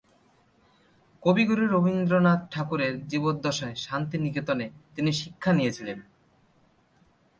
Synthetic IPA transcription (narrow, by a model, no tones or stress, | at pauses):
kobiɡuɾiɾobind̪ɾonad̪̚ʈʰakuɾeɾd͡ʑibot̪̚d̪ɔʃoeʃant̪iniket̪onet̪iniʃikʰːanijet͡ɕʰilen